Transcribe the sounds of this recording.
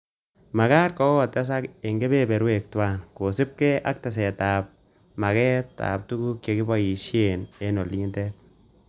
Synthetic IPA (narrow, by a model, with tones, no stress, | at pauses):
ma˨ka˦tkɔ˦kɔ˦ta˦s̬a˦ke˨ŋɡe˦be˦bɛ˨ɾwe˨k̚twa˦nko˨sɪ˦p̚kɛʔa̰˦k̚ta˨s̬ɛ˨ta˨p̚ | ma˨kɛ˦ta̰˨p̚tu˦ku˦kjo˨ki˦bɔ˦ji˨ʃje˨ne˦no˨li˦ndet̚